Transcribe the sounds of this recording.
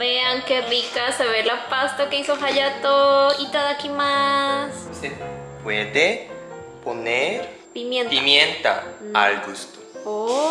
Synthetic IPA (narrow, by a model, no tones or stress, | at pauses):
beaŋkerikaseβelapast̪akeisoɦaʎat̪oit̪aðakimassepweðe | poneɾ | pimjentpimjent̪a̰a̰lɡust̪o̥o